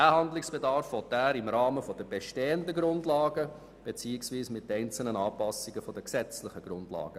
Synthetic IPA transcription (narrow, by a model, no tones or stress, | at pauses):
æhɑndlɪksb̥edɑɾfʋɔtæːɾɪmɾɑːməfɔdəb̥eʃteːəndəɡɾʊndlɑːɡə | b̥et͡siːɪksʋiːsmɪtːɛɪnt͡sl̩nənɑːpɑsɪɡəfɔdəksɛt͡slɪχəɡ̥ɾʊndlɑ̰ːɡ̥ə